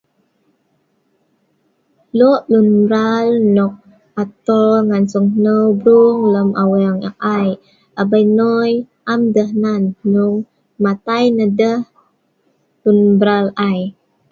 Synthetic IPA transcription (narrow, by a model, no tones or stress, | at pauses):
lɔʔlunbɾalnɔk̚ | at̪ɔŋansɔŋnəwbɾuŋləmʔawɛŋak̚aj | ʔabəjnɔj | ʔamdəhnanːuŋ | mat̪ajnədəh | lunbɾalaj